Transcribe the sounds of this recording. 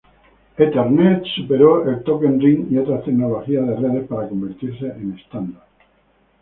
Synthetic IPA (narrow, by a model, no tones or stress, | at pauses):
et̪eɾnet̪supeɾoelt̪okenriŋiot̪ɾat̪eknoloxiað̞ereðespaɾako̞mbeɾt̪iɾseʔenest̪and̪aɾ